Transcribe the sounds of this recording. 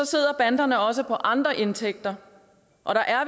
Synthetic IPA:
ɒ̽se̝ð̞̰ˠɐb̥ænd̥ɐnəɒ̽s̬əpʰɒ̽ʔɑ̈nd̥ʁɐʔe̝nt͡sʰeɡ̥̚d̥ɐ | ʔɒ̽ɾ̥ɑ̈ʔæɐ

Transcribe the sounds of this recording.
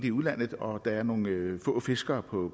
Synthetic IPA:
d̥̩iuðˠlæn̰ð̩ˠɒ̽d̥ɑ̈æɐno̝ːn̩fɔ̰ːfe̝sɡ̥ɐːpʰɒ̽

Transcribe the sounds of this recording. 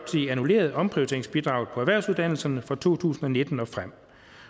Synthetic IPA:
t͡sʰeænule̝̰ːɐð̞̩ˠɒ̽mpʰʁiʊt͡sʰe̝ɐeŋsb̥id̥ʁɑ̈ʊð̩ˠpʰɒ̽æʋæɐ̰suðˠd̥æn̰l̩sɐnəfɒ̽t͡sʰo̝̰ːt͡sʰṵːsn̩ɒ̽ne̝d̥n̩ɒ̽fʁam̰

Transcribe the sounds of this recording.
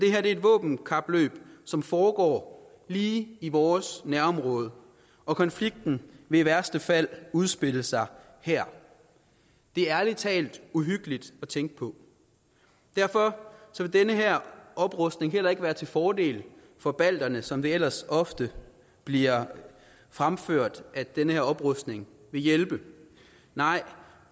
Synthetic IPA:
d̥e̝hɦæɐd̥e̝edʋɔ̰̽ːb̥n̩kʰɑ̈b̥lø̰ːb̥sɒ̽mfɒːɡ̥ɒ̰ː | liːiʋɒːsnæɐɒ̽mʁɔ̽ːð̞ˠə | ɒ̽kʰɒ̽nfliɡ̥̚d̥n̩ʋe̝iʋæɐsd̥əfæl̰uð̞ˠsb̥e̝ləsɑ̈ɪ | hæɐ̰ | d̥e̝æɐlit͡sʰɛ̰ːld̥uɦyɡ̥əlid̥ɒ̽t͡sʰeŋ̰ɡ̥̚pʰɒ̽ | d̥æɐfɒ̽sɒ̽ʋe̝d̥enəɦæɐ̰ʔɒ̽b̥ʁɔsd̥ne̝ŋɦel̰ɐe̝ɡ̥ʋæːɐt͡sʰe̝lfɒːd̥e̝̰ːl | fɒ̽b̥æl̰d̥ɐnəsɒ̽md̥e̝el̰ɐsɒ̽fd̥ə | b̥liɐ | fʁamføɐ̰d̥æd̥enəhæɐɒ̽b̥ʁɔsd̥ne̝ŋ | ʋe̝jelb̥ə | nɑ̈ɪ̰

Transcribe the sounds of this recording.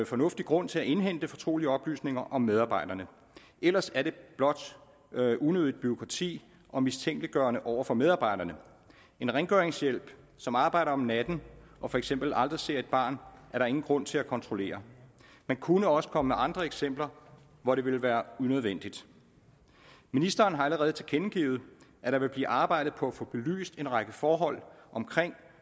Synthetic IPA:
fɒ̽nɔ̽fd̥iɡ̥ʁɔ̽n̰t͡sʰe̝læʔe̝nɦen̰d̥əfɒ̽t͡sʰʁo̝̰ːliəɒ̽b̥ly̰ːsne̝ŋɐʔɒ̽mːeð̞ˠɑ̈ːb̥ɑ̈ɪ̰d̥ɐnə | ʔel̰ɐsæɐɾe̝b̥lɒ̽d̥ | ʔunøðˠð̩ˠb̥yʁo̝kʰʁɑ̈t͡sʰḭː | ʔɒ̽mist͡sʰeŋ̰ɡ̥liɡ̥ɶɐnəʔɒʊ̰ɐfɒ̽með̞ˠɑ̈ːb̥ɑ̈ɪ̰d̥ɐnə | e̝nʁeŋɡ̥øɐeŋsjel̰b̥ | sɒ̽mɑ̈ːb̥ɑ̈ɪ̰ɾɐɒ̽mnæd̥n̩ʔɒ̽fɒ̽eɡ̥sem̰b̥l̩ʔɑ̈ld̥ʁise̝ɐ̰e̝d̥̚b̥ɑ̈ːnʔæɐɾ̥ɑ̈e̝ŋn̩ɡ̥ʁɔ̽n̰t͡sʰe̝lækʰɒ̽nt͡sʰʁole̝̰ːɐ | mænkʰunəɒ̽sə̥kʰɒ̽məmeʔɑ̈nd̥ʁɐeɡ̥sem̰b̥lɐ | ʋɒɾe̝ʋe̝lʋæːɐunøð̞ˠʋen̰d̥id̥ | minisd̥ɐːnɦɑ̈æləʁɛːð̩ˠt͡sʰekʰenɡ̥iːʊð̩ˠʔæɾ̥ɑ̈ʋe̝lb̥lḭːʔɑ̈ːb̥ɑ̈ɪ̰d̥ð̩ˠpʰɒ̽æfɔ̽ːb̥e̝ly̰ːsd̥e̝nʁɑ̈ɡ̥əfɒːɦɒ̽l̰ʔɒ̽mkʰʁeŋ̰

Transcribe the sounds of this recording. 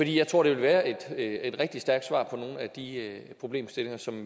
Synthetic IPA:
fɒdḭːjɑɪt͡sʰʁo̝ɐɾ̥e̝ʋe̝lʋæːɐe̝d̥e̝d̥ʁɛɡ̥̚d̥isd̥æɐɡ̥̚d̥sʋɑ̰̈ːpʰɒ̽no̝ːn̩æd̥ipʰʁo̝b̥le̝̰ːmsd̥e̝le̝ŋɐsɒ̽m

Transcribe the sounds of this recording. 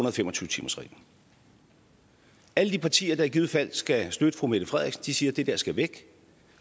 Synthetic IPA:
nɐðˠfemɒ̽t͡sʰyːət͡sʰḭːmɐsʁḭ̥ː | æləd̥ipʰɑ̈t͡sʰḭːɐd̥ɑ̈æɐɡ̥iːð̩ˠfæl̰sɡ̥æsd̥ød̥əfʁumed̥əfʁɛð̰ˠiɡ̥sənd̥isiːɐd̥e̝d̥æɐsɡ̥æʋeɡ̥

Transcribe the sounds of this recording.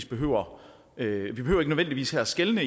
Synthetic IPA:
sb̥e̝ɦø̰ʊ̰ɐ | ʋib̥eø̰ːɐeɡənøðʋend̥iʋḭːshæɐæsɡ̥elnə

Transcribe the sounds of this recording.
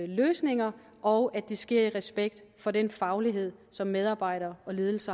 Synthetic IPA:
løːsne̝ŋɐ | ʔɒʊʔæd̥isɡ̥e̝ɐ̰iʁɛsb̥eɡ̥̚d̥fɒ̽denfɑ̈ʊliɦe̝ð̞̰ˠsɒ̽mːeð̞ˠɑ̈ːb̥ɑ̈ɪ̰ɾɐɒ̽le̝ːð̞ˠl̩sɐ

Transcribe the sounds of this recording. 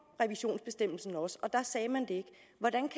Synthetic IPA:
ʁɛʋiɕo̝̰ːnsb̥e̝sd̥em̰l̩sn̩ɒ̽sɒ̽d̥ɑ̈sɛːmænd̥e̝e̝ɡ̥ | ʋɒdænkʰ

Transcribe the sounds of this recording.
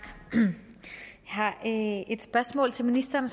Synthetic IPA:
hɑ̈e̝d̥sb̥ɶɐsmɔ̰ːlt͡sʰe̝lminisd̥ɐːnəs

